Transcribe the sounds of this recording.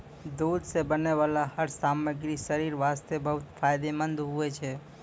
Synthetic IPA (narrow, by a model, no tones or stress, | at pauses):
d̪ud̪sebəneʋalahəɾsaməɡɾiʃəɾiɾʋast̪ebəɦut̪fʰajd̪emənd̪ɦuet͡ʃʰe